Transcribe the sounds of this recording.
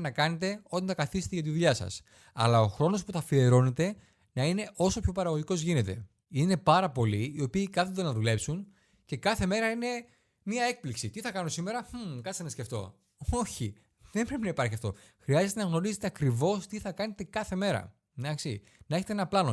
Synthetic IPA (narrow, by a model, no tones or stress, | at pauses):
nɐkɐne̞t̪e̞o̞t̪ɐnt̪ɐkɐθise̥t̪eʝɐt̪iðuʎɐsɐ̰s | ɐ̰lɐo̞xɾo̞no̞spuθɐfie̞ɾo̞ne̞t̪e̞ | nɐine̞ʔo̞so̞pço̞pɐɾɐɣo̞ʝiko̞zʝinet̪e̞̰ | ine̞pɐɾɐpo̞liio̞piːkɐθud̪enɐðule̞psun | ce̞kɐθe̞me̞ɾɐine̞ | miɐe̞k̚pliksit̪iθɐkɐno̞sime̞ɾɐkɐsenɐsce̞ft̪o̞̰ | oçi | ðe̞mbɾe̞pinɐipɐɾçiɐft̪o̞̰ | xɾiɐzet̪enɐɣno̞ɾizet̪eɐkɾivo̞st̪iθɐkɐne̞t̪e̞kɐθe̞me̞ɾɐ̰ | d̪ɐksi | nɐe̞çet̪enɐplɐno̞